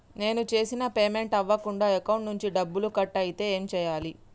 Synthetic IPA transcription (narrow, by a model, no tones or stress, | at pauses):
ne̞ːnut͡ʃe̞ːsinɐpeːme̞ɳʈɐʋːɐkuɳɖaːekɐwuɳʈnuɲt͡ʃiɖɐbːulukɐʈːɐjit̪e̞ːeːmt͡ʃɛːjaːli